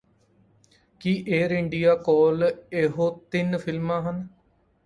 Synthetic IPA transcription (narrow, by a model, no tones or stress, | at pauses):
kiːʔeːɾɪɳɖijaːkɔːleːɦoːt̪ɪnpʰɪlmãːɦən